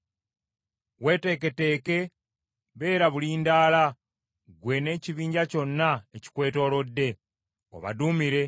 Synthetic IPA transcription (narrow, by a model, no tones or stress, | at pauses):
we̞ːte̞ːke̞te̞ːke̞ | βe̞ːɾaβuliːndaːla | ɡwe̞ːne̞ːciβiːɲɟaco̞nːaeci̥kwe̞ːto̞ːlo̞dːe̞ | o̰βa̰dumiɾe̞